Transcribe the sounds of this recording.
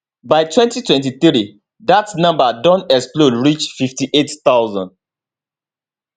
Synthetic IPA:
baɪtwɛ̃ntitwɛ̃nt̬iθɾi | datnãmbadɔ̃nɛksplodɹit͡ʃfiftiʔettawzɔ̰̃nd

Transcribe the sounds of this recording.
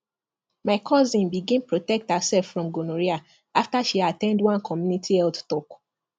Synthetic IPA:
maɪkʰɔzĩnbiɡĩnpɹotɛk̚thasɛlfɹɔ̃mɡonoɹia | aftaʃiatɛ̃ndwãnkʰɔmjunitʰiɛlttɔk

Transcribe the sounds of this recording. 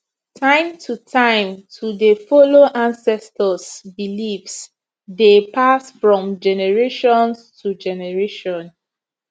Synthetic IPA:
tʰãɪ̃mtʰutʰãɪ̃mtʰudefɔloʔãnsɛstəsbilifs | depasfɹɔ̃md͡ʒɛnɛɹeʃɔ̃nstʰud͡ʒɛnɛɹeʃɔ̃n

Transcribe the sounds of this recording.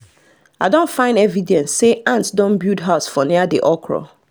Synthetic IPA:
aɪdõntfãɪ̃ndɛvidɛ̃nsːeʔãntdɔ̃nbjudɦasfɔ̃niadiʔɔkʰɹɔ̰

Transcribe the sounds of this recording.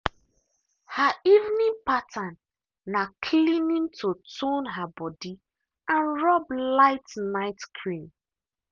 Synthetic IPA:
haivnĩŋpatʰanː | akʰlinĩntʰotonɦabɔdi | ãnɹɔblaɪtnaɪtkʰɹĩm

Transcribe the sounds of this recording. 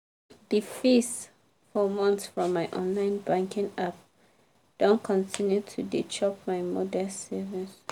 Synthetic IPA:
d̥ifis | fɔmɔ̃nθsfɹɔ̃mːaɪʔɔ̃nlãɪ̃nbãŋkĩŋap̚ | d̥õnkʰɔ̃ntʰĩnjutʰudit͡ʃʰɔp̚maɪmɔdɛsɛvis

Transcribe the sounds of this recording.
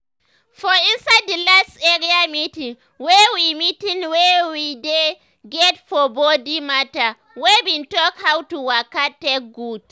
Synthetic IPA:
fɔinsadilastɛɾiamitĩŋ | wɛwimitĩŋwɛwide | ɡɛtfɔbɔdimata | wɛbintɔkhawtuwakatek̚ɡud̥

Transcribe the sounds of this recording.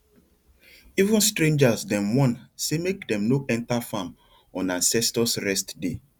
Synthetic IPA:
ivũnstɾẽnd͡ʒasdɛ̃mwɔ̃nsemekdɛ̃mnoʔɛ̃ntafãm | ɔ̃nãnsɛstɔsɹɛstde

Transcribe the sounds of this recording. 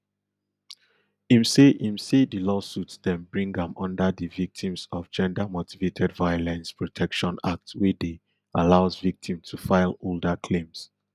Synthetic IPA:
ĩmseʔĩmsedilɔsutsdɛ̃nbɹĩŋɡə̃mɔ̃ndəðivik̚tʰĩmsɔvd͡ʒɛ̃ndamotivetʰɛdvajɔlɛ̃nspʰɹɔtʰɛkʃɔ̃na̰k̚twede | alaʊzvik̚tʰĩmtʰufaɪloldakʰlẽms

